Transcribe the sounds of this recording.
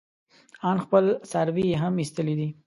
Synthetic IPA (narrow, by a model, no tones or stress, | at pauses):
ɑnxpəlsaɾwijeɦamist̪əlid̪i